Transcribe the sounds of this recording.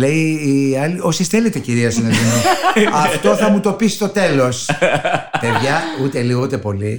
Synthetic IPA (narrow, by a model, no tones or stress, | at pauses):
leiːɐlio̞sisθelet̪eociɾiɐsinɐt̪inuɐft̪o̞θɐmut̪o̞pisi̥st̪o̞t̪e̞lo̞s | pe̞ðʝɐut̪e̞liɣout̪e̞po̞li